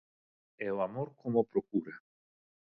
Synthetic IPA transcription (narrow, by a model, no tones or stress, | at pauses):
ɛoamoɾkomopɾokuɾa